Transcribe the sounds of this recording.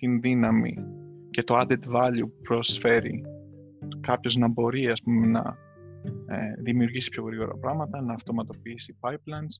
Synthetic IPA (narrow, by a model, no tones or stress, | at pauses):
t̪inðinɐmḭce̞t̪o̞ɐd̪et̪vɐʎupɾo̞sfe̞ɾḭ | kɐpço̞znɐbo̞ɾiɐspumenɐ̰ | eðimiuɾʝisi̥pço̞ɣɾiɣo̞ɾɐ̰pɾɐmɐt̪ɐnɐːft̪o̞mɐt̪o̞piisipɐjplɐjns